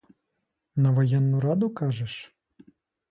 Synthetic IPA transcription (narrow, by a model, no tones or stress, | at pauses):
nɐʋɐjɛnːʊɾɑd̪ʊkɑʐɛʂ